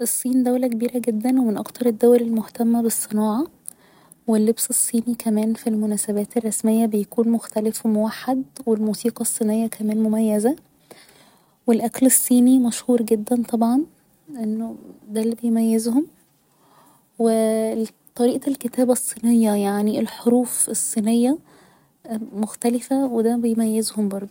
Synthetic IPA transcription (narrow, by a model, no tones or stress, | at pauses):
ʔesˤːiːnd̪æwlækebiːɾæɡed̪ːænwemenʔɑ̰kt̪ɑɾˤed̪ːæwɾelmoht̪æmːæbesˤːenɑːʕɑ | welːebsesˤːiːnikʰæmæːnfilmonæːsæbæːt̪erˤːɑsmejːæbejækuːnmoxt̪ælefwmowaħːad̪welmuːsiːqɑsˤːiːnejːækæmæːnmomæjːæzæ | welʔæklesˤːiːnimæʃhuːɾɡed̪ːænt̪ˤɑbʕɑn | ʔenːod̪ælːibejmæjːezhom | we | t̪ˤːɑɾiːʔlket̪æːbæsˤːiːnejːɑjaʕnielħoɾuːfesˤːiːnejːæ | moxt̪ælɪfæwed̪æbejmæjːezhombɑɾˤd̪ˤ